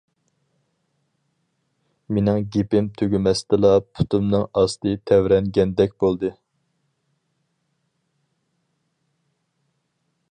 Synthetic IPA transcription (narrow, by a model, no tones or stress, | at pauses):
menɪŋɡʲepɪmt̪ʰøɡʲymɛst̪ɨlˠɑpʰu̥t̪ʰumnɨŋɑst̪ɨt̪ʰɛwɾɛŋɡʲɛnd̪ɛk̚ʲbolˠd̪ɨ